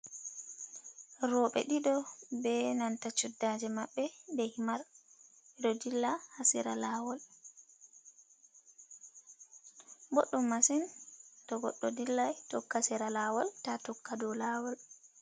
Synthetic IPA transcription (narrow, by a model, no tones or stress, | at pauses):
ɾɔɓɛ̰ɗiɗɔbɛnantat͡ʃːudːad͡ʒɛmaɓːɛndɛhimaɾ | ɛɗɔdilːahasiɾa̰laːwɔl | bɔɗːumːasintɔɡɔɗːɔdilːajtɔkːasiɾalawɔltatɔkːadɔlaːwɔl